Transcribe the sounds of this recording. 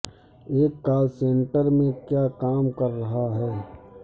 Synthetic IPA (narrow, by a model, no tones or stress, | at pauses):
eːkːaːlsẽːɳʈəɾmẽkjaːkaːmkɐɾːɐɦaɦɛː